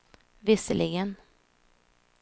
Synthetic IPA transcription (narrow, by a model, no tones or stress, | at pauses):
vɪsəlɪɡən